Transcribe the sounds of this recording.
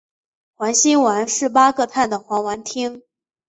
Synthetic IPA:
xwa˧˥nɕi˥nwa˧˥nʂɻ̩˥˩pa˥kɤ˥˧t̪ʰa˥˩nd̪ə˩xwa˧˥ŋwa˧˥nt̪ʰi˥ŋ

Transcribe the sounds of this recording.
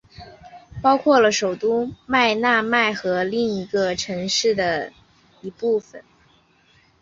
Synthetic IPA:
pɑ˥ʊkʰwɔ˥˩lə˩ʂo˨˩ʊt̪u˥ma˥˧ɪna˥˧ma˥˩ɪxɤ˧˥li˥˩ŋi˧˥ɡə˧ʈ͡ʂʰɤ˧˥ŋʂɻ̩˥˩d̪ə˩ | i˧˥pu˥˩fə̰˨˩n

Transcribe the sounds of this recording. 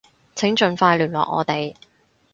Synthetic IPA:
t͡sʰɪ˨˥ŋt͡ʃɵ˨nfaː˧jlyː˨˩nlɔ̰ː˨k̚ŋɔ̰ː˨˧t̪e˨j

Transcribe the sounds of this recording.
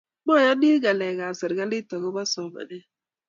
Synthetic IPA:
mɔ˦˨ja˦ni˦ɡa˨lɛ˨ɡa˨zɪ˨ɾɡa˦lɪ˦tɔ˨ɣɔ˦ba˦sɔ˨ba̰˨nɛ˦

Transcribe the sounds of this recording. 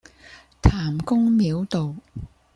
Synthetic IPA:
t̪ʰaː˨˩mkʊ˥ŋmiː˨˥wt̪o˨w

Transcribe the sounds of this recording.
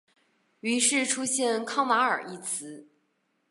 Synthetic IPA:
y˧˥ʂɻ̩˥˩ʈ͡ʂʰu˥ɕjɛ˥˧nkʰɑ˥ŋwa˧˥ə̰˞˨˩i˥˩t͡sʰɹ̩˧˥

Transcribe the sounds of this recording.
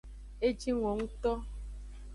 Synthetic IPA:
e˦d͡ʒi˦ŋʷo˨ŋũ˦t̪ɔ˦

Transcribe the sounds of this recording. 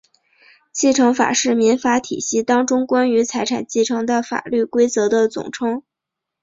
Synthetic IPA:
t͡ɕi˥˩ʈ͡ʂʰɤ˧˥ŋfa̰˨˩ʂɻ̩˥˩mi˧˥nfa˧˥t̪ʰḭ˨˩ɕi˥˩t̪ɑ˥ŋʈ͡ʂʊ˥ŋkwa˥ny˧˥t͡sʰa˧˥ɪʈ͡ʂʰa̰˨˩nt͡ɕi˥˩ʈ͡ʂʰɤ˧˥ŋd̪ə˧fa̰˨˩ly˥˩kwe˥ɪt͡sɤ˧˥d̪ə˧t͡sʊ̰˨˩ŋʈ͡ʂʰɤ˥ŋ

